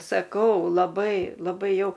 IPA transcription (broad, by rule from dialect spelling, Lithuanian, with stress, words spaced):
sɐˈkɐʊ lˠɐˈbɐɪ lˠɐˈbɐɪ ˈjɛʊ